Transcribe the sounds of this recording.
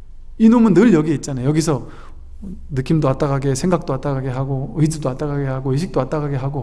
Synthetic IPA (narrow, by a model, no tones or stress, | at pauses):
inomɯnːɯɭjʌɡieit̚t͡ɕ͈anajojʌɡisʰʌ | nɯk͈ʰimdoat͈̚aɣaɡe̞sʰe̞ŋɡak̚t͈oat͈̚aɡaɡe̞ɦaɡoɯidudoat͈aɡaɡe̞haɡoiɕʰi̥k̚t͈oat͈aɡaɡe̞ɦaɡo